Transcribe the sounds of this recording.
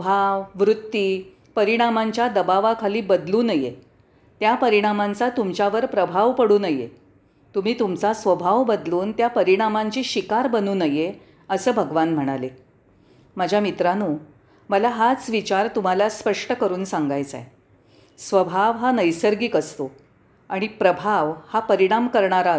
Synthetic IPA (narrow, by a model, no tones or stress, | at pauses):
bʱaʋʋɾut̪ːiː | pəɾiɽ̃amaɲt͡ɕjad̪əbaʋakʰaliːbəd̪luːnəjḛ | t̪japəɾiɽ̃amant͡sat̪umt͡ɕaʋəɾpɾəbʱaʋpəɽuːnəjḛ | t̪um̤iːt̪umt͡sasʋəbʱaʋbəd̪luːnt̪japəɾiɽ̃amaɲt͡ɕiːɕikaɾbənuːnəje | əsəːbʱəɡʋanm̤əɽ̃ale | məd͡ʑʱjamit̪ɾanuː | məlaɦat͡sʋit͡ɕaɾt̪um̤alaspəʂʈəkəɾuːnsaŋɡajt͡sa̰e | sʋəbʱaʋɦanəjsəɾɡiːkəst̪o | aɽ̃ipɾəbʱaʋhapəɾiɽ̃amkəɾɳaɾa